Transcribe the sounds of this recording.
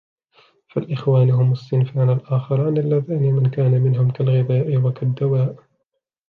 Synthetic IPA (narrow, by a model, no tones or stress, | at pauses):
falʔɪxwaːnɦʊmasːɪnfaːnalʔaːxɪɾˤɑːnalːaðaːnimɪnkaːnamɪnɦʊmkalɣɪðaːʔɪwakad̪ːawaːʔ